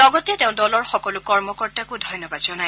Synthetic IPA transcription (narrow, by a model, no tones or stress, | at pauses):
lɔɡɔtɛteʊ̃dɔlɔɹxɔkɔlʊkɔɹmɔkɔɹtakudʱɔjnɔbadzɔnaj